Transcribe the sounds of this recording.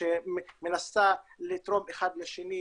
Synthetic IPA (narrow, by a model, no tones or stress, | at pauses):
emenast̪alit̪ʁo̞meχad̪leʃeni